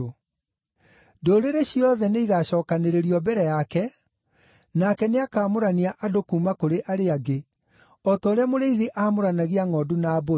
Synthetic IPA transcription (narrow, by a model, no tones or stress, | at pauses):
doːɾeɾeɕiɔðɛneiɣaɕɔːkaneɾeɾiɔbɛɾɛjakɛ | nakɛneakaːmoɾaniaʔadokuːmakoɾeʔaɾeaɡe | ɔtɔːɾeamoɾeiðeʔaːmoɾanaɣiaŋɔːdunaːbo